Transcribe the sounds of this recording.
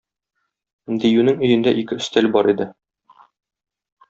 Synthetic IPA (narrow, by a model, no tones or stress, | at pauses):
d̪ijʉnɘŋɵ̆jɘ̆nd̪æʔikɘɵ̆st̪ælbɒɾid̪ɘ